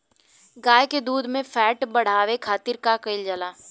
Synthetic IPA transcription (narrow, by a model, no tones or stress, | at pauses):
ɡaːjeked̪uːd̪mẽfʰɛːʈbɐɽ̤aːʋekʰaːt̪ɪɾkakɐɪld͡ʒəlaː